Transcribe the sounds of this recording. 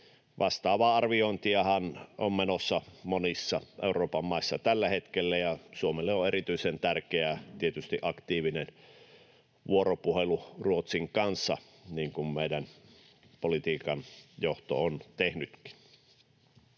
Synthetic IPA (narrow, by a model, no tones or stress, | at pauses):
ʋʔɑst̪ɑːʋɑɑrʋiont̪iɑhɑnʔommenosːɑmonisːɑʔeuroːpɑmːɑˑisːɑt̪ælːæhet̪kelːæjɑsuomelːeoeɾit̪yisent̪ærkeæt̪iet̪yst̪iʔɑkt̪iːʋinen | ʋuoropuheluruot̪siŋkɑnsːɑ̰ | niːŋkummeidæn | polit̪iːkɑnjoht̪o̰ont̪ehnyt̪ki̥n̥